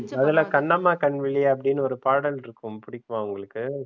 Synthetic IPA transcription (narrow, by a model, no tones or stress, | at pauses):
ɐðɪlaːkɐɳːɐmːaːkɐɳʋɪɭːɪjaɐp̬ːɐɽɪnːɯɔɾɯpaːɽɐlɪɾɯkːɯmpʊɽɪkːɯmãːʊŋɡɐɭɯkːɯ